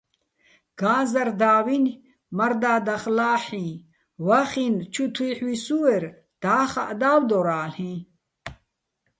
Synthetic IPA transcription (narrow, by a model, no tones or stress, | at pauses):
ɡ̥aːzɐɾd̪aːwin | mɐɾd̪aːd̪ɐχlaːħĩ | waxint͡ɕʰut̪ʰwiħwisuweɾ | d̪̥aːxa̰ʔd̪aːwd̪oɾaːlhĩ